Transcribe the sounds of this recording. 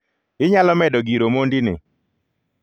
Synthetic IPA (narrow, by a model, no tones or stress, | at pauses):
ɪɲalɔmɛdɔɡiɾomondinɪ̰